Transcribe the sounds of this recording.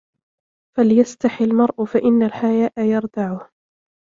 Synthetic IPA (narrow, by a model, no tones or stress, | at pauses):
faljast̪aħɪlmɑɾˤʔʊfaʔɪnːalħajaːʔajɑɾˤd̪aʕʊh